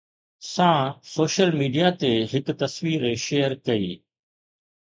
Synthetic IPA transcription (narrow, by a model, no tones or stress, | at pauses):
sãːsoːʃəlmiːɖijat̪eɦɪkt̪ɐsʋiːɾeʃeːjəɾkɐiː